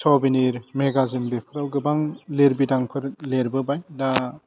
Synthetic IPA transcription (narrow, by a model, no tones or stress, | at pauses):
sʰɔwbiniɾmeɡazimbepʰɯɾawɡɯbaŋleɾbidaŋpʰɯɾleɾbɯbajda